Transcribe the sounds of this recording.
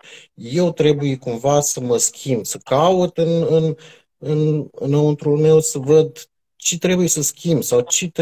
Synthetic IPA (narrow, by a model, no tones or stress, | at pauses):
je̞wt̪ɾe̞bujekumvasəməskʲʰimbsəkaut̪ɨnɨn | ɨnɨnount̪ɾulme̞wsəvəd̪ | t͡ʃet̪ɾe̞bujesəskʲimbsawt͡ʃet̪